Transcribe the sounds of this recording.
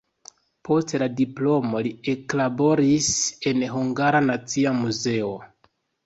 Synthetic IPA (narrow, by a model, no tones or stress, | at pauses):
pʰo̞stladiplo̞mo̞lie̞klabo̞ɾise̞nɦuŋɡaɾanat͡siamuze̞o